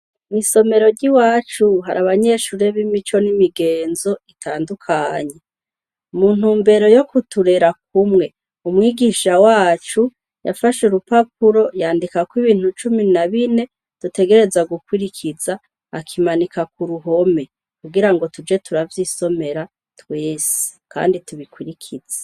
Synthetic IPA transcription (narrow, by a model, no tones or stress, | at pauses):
miso̞me̞ɾo̞ɾɟiwaːt͡ʃuɦaɾaβaɲe̞ʃuɾeβimit͡ʃo̞nimiɡe̞ːnzo̞itʰaːndukʰaɲe̞ | muːn̥huːmbe̞ɾo̞jo̞kutuɾe̞ɾak̚umŋe̞ | umwiːɡiʃawaːt͡ʃu | ja̰faʃuɾupap̚uɾo̞jaːndikakwiβiːn̥hut͡ʃuminaβine̞ | d̥ute̞ɡe̞ɾe̞zaɡukwiɾikʰizaː | kʰimanikakuɾuɦo̞me̞ | kuɡiɾaŋɡo̞tud͡ʒe̞tuɾavjiːso̞me̞ɾa | tweːsi̥ka̰ːndituβikwiɾikʰiz̥e̥